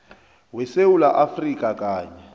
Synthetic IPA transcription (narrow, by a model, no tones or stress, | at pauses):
wɛsewulaʔafrikʼakʼaːɲɛ